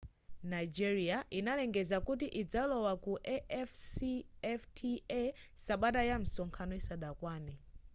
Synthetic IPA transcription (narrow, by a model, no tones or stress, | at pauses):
najd͡ʒiɾiaʔinalɛŋɡɛzakutiʔid͡zalɔwakuʔɛfsɛftʰiɛsaɓatajam̩sɔŋkʰanɔisaɗakwaːnɛ